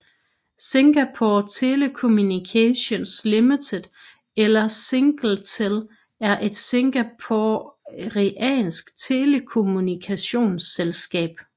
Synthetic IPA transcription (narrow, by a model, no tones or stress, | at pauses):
siŋɡ̥æpʰot͡sʰe̝lekʰo̝munikʰæɕo̝nslimit͡sʰed̥ | elɐseŋɡ̥l̩t͡sʰel | æɐʔe̝d̥siŋɡ̥æpʰoʁiʔɛ̰ːnsɡ̥t͡sʰe̝lekʰo̝munikʰæɕo̝̰ːnselsɡ̥ɛ̰ːb̥